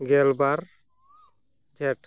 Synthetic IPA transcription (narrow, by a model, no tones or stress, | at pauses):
ɡɛlbaɾ | d͡ʒɛʈ